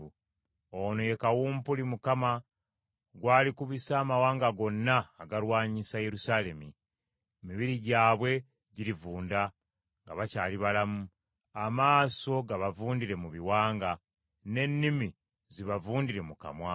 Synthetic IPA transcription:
onoje̞kawuːmpulimukama | ɡwaːlikuβisaːmawaːŋɡaɡo̞nːaːɡaɾwaːɲisaje̞ɾusaːle̞mi | miβiɾiɟaːβwe̞ | ɟiɾivuːnda | ŋɡaβacaːliβalamu | amaːso̞ɡaβavuːndiɾe̞muβiwaːŋɡa | ne̞nːimi | ziβavuːndiɾe̞muka̰mwa

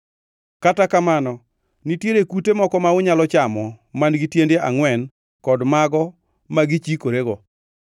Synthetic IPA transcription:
katakamanɔ | nitjeɾekutemɔkɔmaʊɲalɔt͡ʃamɔmanɡitjendeaŋwɛn | kɔdmaɡɔ | maɡit͡ʃikoɾeɡɔ

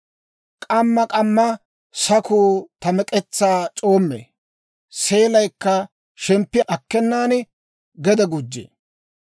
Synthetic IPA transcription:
kʼɐmːɐkʼɐmːɐ | sɐkuːt̪ɐmɛkʼɛt͡sːaːt͡ʃʼo̞ːmːḛː | se̞ːlɐjkːɐ | ʃɛmpːɪʔɐkːɛnːaːn | ɡɛd̪ɐɡʊd͡ʒːḛː

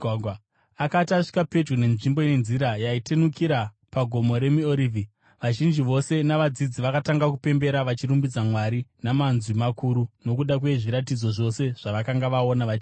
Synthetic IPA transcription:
ɡʱw | akataʂi̥kape̞d͡ʒɡune̞nʐimbo̞ine̞nziɾajaitenukiɾa | paɡʱo̞mo̞ɾe̞mioɾiːvʱi | ʋaʒind͡ʒiʋo̞se̞naʋad͡zid͡ziʋakataŋɡakupe̞mbe̞ɾaʋat͡ʃiɾumbid͡zamwaɾinamanzimakuɾuno̞kuɗakwe̞ʐiɾat̬id͡zo̞ʐo̞se̞ʐ̥aʋakaŋɡaʋao̞naʋat͡ʃi

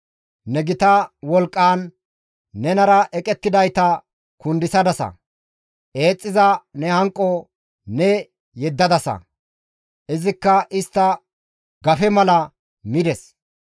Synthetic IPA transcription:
nɛɡɪt̪ɐwɔlkʼːaːnː | ɛnɐɾɐʔɛkʼɛt̪ːɪd̪ɐjt̪ɐ | kʊnd̪ɪsɐd̪ɐsɐ̰ | ʔe̞ːt͡sʼːɪzɐnɛhɐŋkʼːɔ | nɛ | jɛd̪ːɐd̪ɐsɐ̰ | ʔɪzɪkːɐʔɪst̪ːɐ | ɡɐfɛmɐlɐ | mɪd̪ɛs

